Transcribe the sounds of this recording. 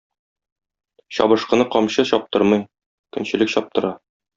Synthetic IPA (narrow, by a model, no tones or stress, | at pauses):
ɕɒ̰bɤ̆ʃqɤ̆nɤqɒmɕɤɕɒp̚t̪ɤɾmɤj | kɵ̆nɕɘ̆lɘkɕɒp̚t̪ɤ̆ɾɑ